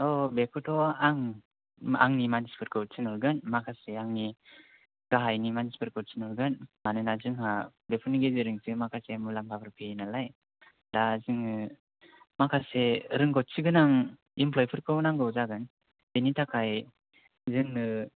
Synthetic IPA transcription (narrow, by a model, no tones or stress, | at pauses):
ɔbekʰɯtʰɔaŋ | a̰ŋnimanispʰɯɾkɯwt̚sʰɯnɔɾɡɯnmakʰaseaŋni | ɡ̥aɦajnimanispʰɯɾkɯsʰinɔɾɡɯnmanɯnazɯŋɦa | bepʰɯniɡezɯɾɯŋsɯmakʰasemulampʰapʰɯɾpʰenalaj | dazɯŋɯ | makʰaseɾɯŋɡɔt̚siɡɯnaŋ | impʰlɔjpʰɯɾkʰɯwnaŋɡɯwzaɡɯn | benitʰakʰaj | zɯŋɯ